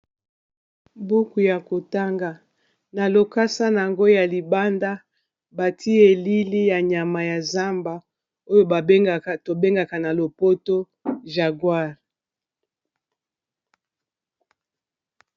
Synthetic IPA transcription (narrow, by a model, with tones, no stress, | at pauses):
bu˦ku˨ja˨ko˨ta˦ŋɡa˨ | na˨lo˨ka˦sa˦n˨a˨ŋɡo˦ja˨li˨ba˦nda˦ | ba˨tʰi˦e˨li˦li˦ja˨ɲa˨ma˨ja˨za˦mba˨ | o˦jo˦ba˨˦˨to˨be˦ŋɡa˨ka˨na˨lo˨po˦to˦ | ʒa˨ɡwa˦˨ʁ